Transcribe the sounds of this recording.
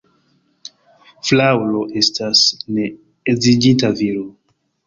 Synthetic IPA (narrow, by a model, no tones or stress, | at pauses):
flawlo̞ʔe̞stasne̞ː | zid͡ʒitaviɾo